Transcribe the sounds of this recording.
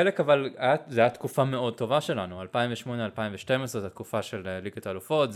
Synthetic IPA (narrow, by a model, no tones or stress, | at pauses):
elekavalajazajat̪kufame̞o̞d̚t̪o̞vaʃe̞lanualpaimveʃmo̞ne̞alpaimveʃtemesʁezat̪kufaʃeleliɡat̪alufo̞tz